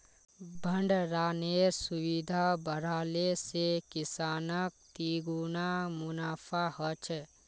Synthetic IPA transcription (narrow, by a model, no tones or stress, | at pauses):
bʱə̃ɳɖɾaːneɾsʊwid̪ʱabəɾaːlesekɪsaːnək̚t̪iːɡunamʊnaːpʰahət͡ʃʰ